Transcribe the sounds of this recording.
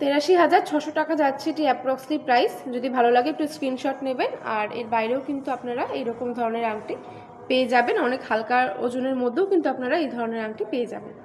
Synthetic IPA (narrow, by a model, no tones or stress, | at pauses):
t̪eɾaʃiɦad͡ʑaɾt͡ɕʰɔʃoʈakad͡ʑatːɕʰeeʈiɛp̚ɾɔkslipɾajsd͡ʑod̪ibʱalolaɡeepniskɾinʃɔʈnebena̰ɾḛɾbajɾeokint̪uapnaɾaejɾɔkomd̪ʱɔɾoneɾaŋʈi | peed͡ʑabenɔnekhalkaɾo̰d͡ʑuneɾmod̪ʱːeokint̪uapnaɾaejd̪ʱɔɾoneɾaŋʈipeed͡ʑa̰ben